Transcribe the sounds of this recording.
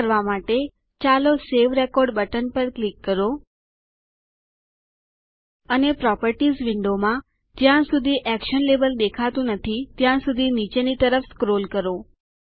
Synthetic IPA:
ɾʋamaʈe | t͡ʃaloseʋɾekɔɾɖbəʈənpəɾklikːəɾo | ənepɾɔpəɾʈizʋiɳɖomã | d͡ʒjãsud̪ʱiʔɛkʃənlebəld̪ekʰat̪ũnət̪ʰit̪jãsud̪ʱinit͡ʃenit̪əɾəfskɾolkəɾo

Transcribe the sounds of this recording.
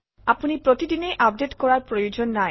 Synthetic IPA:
apunipɹotidinejʔap̚detkɔɹaɹpɹojud͡ʒɔnːa

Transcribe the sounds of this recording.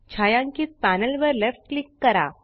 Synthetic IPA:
t͡ɕʰajãŋkiːt͡spanəlʋəɾlefʈ̚klikːəɾa̰

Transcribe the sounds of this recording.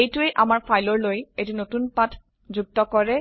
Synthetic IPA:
ejʈuejʔamaɾfʰajloɾlojeʈinot̪unpatʰ | d͡ʑuk̚t̪okoɾe

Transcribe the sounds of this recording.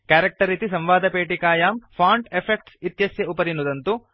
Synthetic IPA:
kaːɾek̚ʈɐɾiːt̪isɐmʋaːd̪ɐpeːʈikaːjaːmpʰaːɳʈepʰek̚ʈsit̪jɐsjɐupɐɾinud̪ɐnt̪u

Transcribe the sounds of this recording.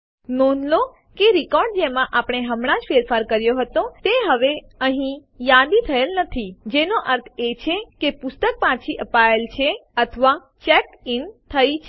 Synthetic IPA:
nonlo | keɾikɔɾɖ̚d͡ʒemãʔapɳ̃eɦəmɳ̃ãd͡ʒfeɾfaɾkəɾjoɦət̪ot̪eɦəʋe | əɦĩ | jad̪it̪ʰəelnət̪ʰid͡ʒenoʔəɾt̪ʰet͡ʃʰekepʊst̪ək̚pãt͡ʃʰiʔəpaelt͡ʃʰeət̪ʰəʋa | t͡ʃɛk | int̪ʰəjt͡ʃʰ

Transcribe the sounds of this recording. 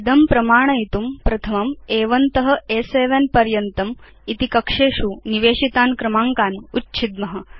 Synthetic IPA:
id̪ʱɐmpɾɐmaːɳ̃ɐit̪umpɾɐt̪ʰɐmɐmeːʋɐnt̪ɐɦɐ̆eseːʋenpɐɾjɐnt̪ɐm | it̪ikɐkʂeːʂuniʋeːɕit̪aːnkɾɐmaːŋkaːnutːt͡ʃʰid̪mɐɦɐ̆

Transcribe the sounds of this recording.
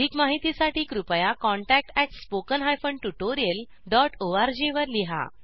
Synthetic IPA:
iːkmaɦit̪isaʈiːkɾupəjakɔ̃ɳʈæk̚ʈɛʈspokənɦajfəɳɖʈuʈoɾijəl | ɖɔʈoaɾd͡ʑeʋəɾliɦa̰

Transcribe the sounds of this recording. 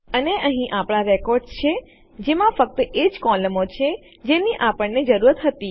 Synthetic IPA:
əneʔəɦĩʔapɽ̃aɾɛkɔɾɖt͡ʃʰe | d͡ʒemãfək̚t̪əʔed͡ʒkɔləmot͡ʃʰe | d͡ʒeniʔapəɳned͡ʒəɾuɾət̪ɦət̪i

